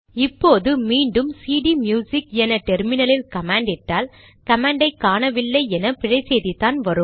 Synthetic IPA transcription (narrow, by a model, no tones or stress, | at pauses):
ɪpːoːðɯmiːɳɖɯmsiːɽimjuːsɪkɛnɐʈɛɾmɪnɐlɪlkɐmaːɳɖɪʈːaːl | kɐmaːɳɖɐɪkːaːnɐʋɪlːɐɪɛnɐpɪɻɐɪseːðit̪aːnʋɐɾɯm